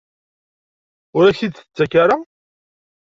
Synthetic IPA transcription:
ʊɾæçid̪θə̥t͡sːækaɾa

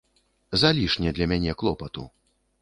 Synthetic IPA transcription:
zalʲiʂnʲɛd̪lʲɐmʲanʲɛklˠɔpɐt̪ṵ

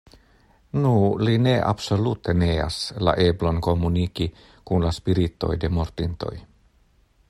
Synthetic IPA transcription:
nuline̞ʔa̰bso̞lut̪e̞nea̰sla̰ʔe̞blo̞nko̞muniki | kunlaspiɾit̪o̞̰jde̞mo̞ɾt̪int̪o̞̰j

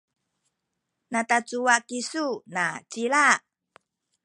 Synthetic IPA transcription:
natat͡suwakisunat͡ɕila

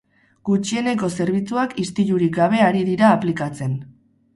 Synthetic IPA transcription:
ɡ̥ut͡ʃie̞ne̞ko̞se̞ɾβ̞it͡suakʰist̪iʎuɾik̚ɡaβ̞e̞aɾiðiɾaːplikat͡se̞n

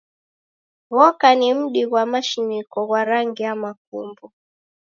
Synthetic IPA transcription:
ɣɔkanim̩ɗiɣwamaʃinikɔɣwaɾaŋɡiamak̚ṵmbɔ

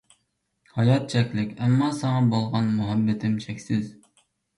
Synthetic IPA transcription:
hɑjɑt̪̚t͡ʃʰɛkʲlɪkʲɛmːɑsɑŋɑbolˠʁɑnmʊɦɛbːɪt̪ʰɪmt͡ʃʰɛkʲsɪz

